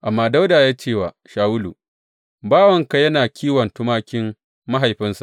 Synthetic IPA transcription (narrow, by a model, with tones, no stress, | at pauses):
ʔa˨mːaː˦da˦wdaː˨jaː˦t͡ʃeː˦˨waː˨ | ʃaː˨wʊ˦lṵ˨ | baː˦wɐ˨ŋka˨jɐ˦naː˨kʲʰiː˦wɐ˨ntʊ˦maː˦kʲɪ˦m | ma˦ɦa˨jɸɪ˦nsḁ˨ʔ